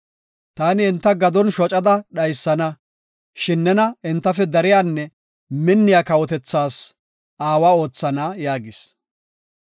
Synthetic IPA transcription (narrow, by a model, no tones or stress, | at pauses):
t̪aːnɪɪnt̪ːɐɡɐd̪ɔnʃɔt͡ʃʼɐd̪ɐɗɐjsːɐnɐ | ʃɪnːɛnɐɪnt̪ːɐfɛd̪ɐɾɪjaːnːɛ | mɪnːɪjakɐwɔt̪ɛt͡sːaːs | aːwaːo̞ːt͡sːɐnajaːɡɪs